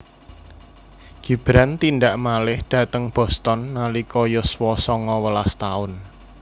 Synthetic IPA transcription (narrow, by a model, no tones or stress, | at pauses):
ɡ̥i̤b̥ɾant̪inɖaʔmalɪhɖ̥ä̤t̪əŋb̥ɔ̤st̪ɔnːalikɔjɔswɔsɔŋɔwəlast̪aʊn